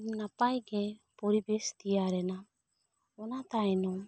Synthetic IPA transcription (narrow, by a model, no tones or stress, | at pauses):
mnapajɡɛpɔɾibɛst̪iaɾɛna | ɔnat̪ajnɔ